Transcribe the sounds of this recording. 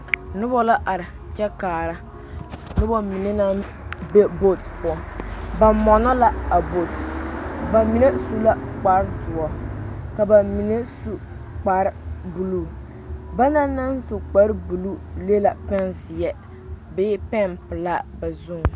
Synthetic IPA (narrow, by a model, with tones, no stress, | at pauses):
nʊ˦bɔ˦la˦ʔa˨ɾɪ˨ | t͡ʃɛ˦kaː˨ɾa˦ | nɨ˦bɔ˦mi˨ne˦na˦ | be˦bo˦tpɔ˨ba˨mɔ˨nɔ˦la˦a˨bo˦˨tba˨mi˨ne˦su˦la˦k͡pa˦ɾdʊ˨ɔ˨ka˨ba˨mi˨ne˦su˨ | k͡pa˨ɾbu˨lu˦˨ | ba˦na˦na˦nsu˨k͡pa˦ɾbu˨lu˦le˦la˨pɛ˦nsɪ˨jɛ˦ | beː˦pɛ˦˨mpɨ˨la˦ba˨zʊ˦ŋ˨